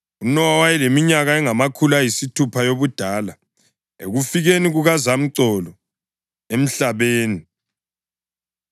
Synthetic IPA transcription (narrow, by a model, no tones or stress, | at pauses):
unɔwawajilemiɲaɣaɛŋamakʰulajisitʰupʰajoβud̥ʱaːla | ḛɣufiɣeniɣuɣazam̩ǀɔlɔ | em̩ɬaβeːni